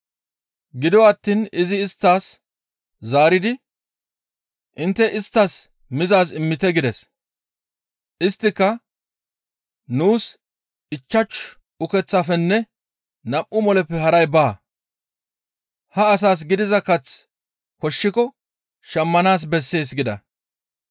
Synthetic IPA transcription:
ɡɪd̪ɔwaːt̪ːiːnɪzɪːst̪ːaːs | zaːɾɪd̪ɪ | ʔɪnt̪ːɛʔɪst̪ːɐs | mɪzaːsɪmːɪt̪ɛɡɪd̪ɛs | ʔɪst̪ːɪkːɐ | nuːs | ɪt͡ʃːɐt͡ʃ | ʊkɛt͡sːafɛnːɛ | nɐmʔʊmɔlɛpːɛhɐɾɐjbaː | hɐːs̬aːs̬ɡɪd̪ɪzɐkɐt͡s | kɔʃːɪkɔ | ʃɐmːɐnaːs̬bɛsːe̞ːs̬ɡɪd̪ɐ̰

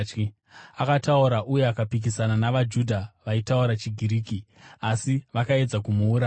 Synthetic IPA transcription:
akatauɾaʔuje̞akapik̬isananaʋad͡ʒudʱaʋaitauɾat͡ʃiɡʱiɾiːki | asiʋakae̞d͡zakumuːɾaː

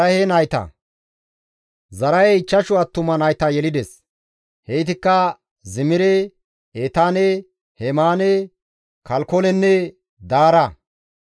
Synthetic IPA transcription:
ɐhenɐjt̪ɐ̰ | zɐɾɐjɛɪt͡ʃːɐʃʊɐt̪ːʊmɐnɐjt̪ɐjɛlɪd̪ɛs | hɛjt̪ɪkːɐ | zɪmɪɾɛ | eːt̪aːne | hɛmaːne | kɐlkɔlɛnːɛ | d̪aːɾɐ

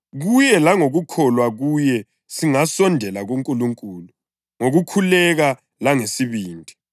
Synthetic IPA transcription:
ɣujɛlaŋoɣukʰɔlwaɣujɛ | siŋasɔndʱɛlaɣuŋkʼuluŋkʼuːlu | ŋoɣukʰulɛɣa | laŋesiβiːndʱi

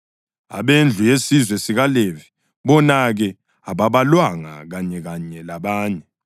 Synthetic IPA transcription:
a̰βend͡ɮʱujesizwɛsiɣalevi̥ | βɔnaɣɛ | aβaβalwaŋa̰ɣaɲɛɣaɲɛlaβaːɲɛ

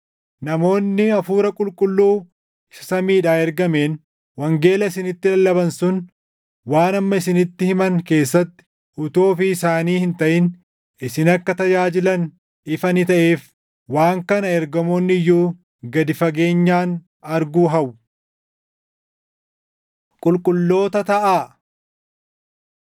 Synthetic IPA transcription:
nɐmo̞ːnːɪɐfuːɾɐkʼʊlkʼʊlːuː | sɐmiːᶑaːɛɾɡɐme̞ːn | wɐŋɡe̞ːlɐɪsɪnɪt̪ːɪlɐlːɐbɐnsʊn | waːnɐmːɐɪsɪnɪt̪ːɪhɪmɐŋke̞ːsːɐt̪ːɪ̥ | ʔʊt̪o̞ːfɪːsaːniːhɪnt̪ɐʔɪn | ɪsɪnɐkːɐt̪ɐd͡ʒaːd͡ʒɪlɐn | ɪfɐnɪt̪ɐʔe̞ːf | waːŋkɐnɐɛɾɡɐmonːɪjːuː | ɡɐd̪ɪfɐɡe̞ːɲːaːn | ɐɾɡuːɦɐʔʊ | kʼʊlkʼʊlːo̞ːt̪ɐt̪ɐʔaː

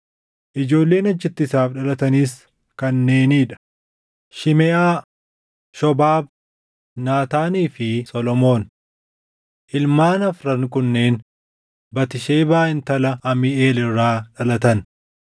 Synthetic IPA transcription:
ʔɪd͡ʒo̞ːlːe̞ːnɐd͡ʒːɪt̪ːɪsaːfᶑɐlɐt̪ɐniːs | kɐnːe̞ːniːᶑɐ̥ | ʃɪmɛʔaː | ʃɔbaːb̚ | naːt̪aːniːfɪsɔlɔmo̞ːn | ʔɪlmaːnɐfɾɐŋkʊnːe̞ːn | bɐt̪ɪʃeːbaːʔɪnt̪ɐlɐɐmɪʔe̞ːlɪrːaːᶑɐlɐt̪ɐn

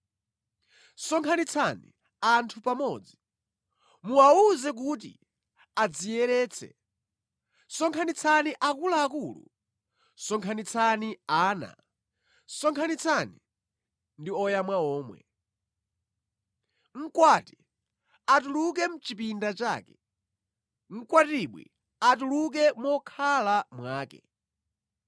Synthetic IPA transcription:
sɔŋkʰanit͡sʰanḭ | antʰupamɔːd͡zi | muauzɛk̬ut̬ḭ | ad͡zijɛɾɛːt͡sʰɛ̰ | sɔŋkʰanit͡sʰaniʔakulaːkulṵ | sɔŋkʰanit͡sʰaniaːna̰ | sɔŋkʰanit͡sʰani | ndiɔjamwaɔːmwɛ̰ | ŋ̩kwati | atuluk̬ɛm̩t͡ʃipindat͡ʃa̰ːkɛ | ŋ̩kwatiɓwḭ | atuluk̬ɛmɔkʰalamwaːkɛ̰

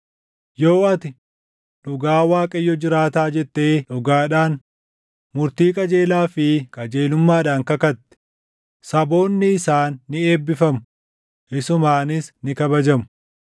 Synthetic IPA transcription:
jo̞ːɐt̪ɪ | ᶑʊɡaːwaːkʼɐjːɔd͡ʒɪɾaːt̪aːd͡ʒɛt̪ːe̞ːᶑʊɡaːᶑaːn | mʊɾt̪iːkʼɐd͡ʒe̞ːlaːfɪkʼɐd͡ʒe̞ːlʊmːaːᶑaːŋkɐkɐt̪ːɛ̥ | sɐbo̞ːnːɪɪsaːnːɪe̞ːbːɪfɐmʊ | ʔɪsʊmaːnɪsnɪkɐbɐd͡ʒɐmʊ

